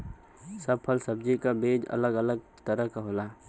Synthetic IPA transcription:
səbpʰəlsəbd͡ʒikabeːd͡ʒɐ̰ləɡələɡ̚ | t̪əɾəkaɦoːlaː

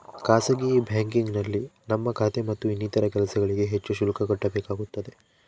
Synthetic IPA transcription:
kaːsɐɡibʱjaːŋkiŋɡnɐlːinɐmːɐkʰaːt̪emɐt̪ːuinːiːt̪ɐɾɐkɛlɐsɐɡɐɭiɡe̞ɦet͡ʃːuʃulɐkɐkɐʈːɐbeːkaːɡut̪ːɐd̪e̞

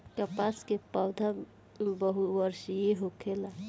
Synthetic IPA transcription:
kəpaskepəwd̪ʱə | bəɦuwəɾsjeɦokʰela

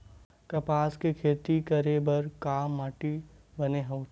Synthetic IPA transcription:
kɐpaːskekʰeːt̪ikɐɾebɐɾkaːmːaːʈibɐneɦɐ

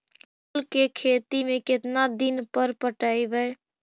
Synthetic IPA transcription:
olkekʰet̪imeket̪nad̪inpəɾpəʈəjbəj

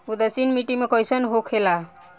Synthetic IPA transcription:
ud̪əsinmiʈimekɔjsənɦokʰela

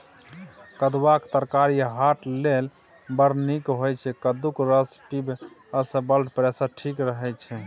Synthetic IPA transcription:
kəd̪wakt̪əɾkaɾiɦaʈlel | bəɾnikɦojt͡ʃʰɛkəd̪ukɾəspib | əsəbəlʈpɾesəɾʈʰikɾəɦɛt͡ʃʰɛ

